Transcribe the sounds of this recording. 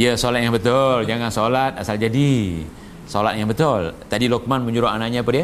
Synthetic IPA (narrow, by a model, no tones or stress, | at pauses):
ijəsolat̪̚jaŋbət̪ʊld͡ʒaŋansolat̪̚asald͡ʒadi | solat̪̚jaŋbət̪ʊlt̪adilɔk̚manməɲuɾoʔanaʔɲapadiə